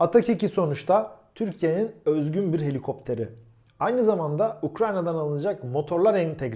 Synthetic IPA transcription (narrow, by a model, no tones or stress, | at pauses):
at̪ʰaciciso̞nut͡ʃt̪ʰat̪ʰyɾcʰije̞ninøzɟynbiɾɦe̞lʲikʰo̞p̚t̪ʰe̞ɾɪ | ajnɯzamand̪aukɾajnad̪analˠɯnad͡ʒakmo̞t̪ʰo̞ɾlˠaɾɛnt̪ʰeɡɾ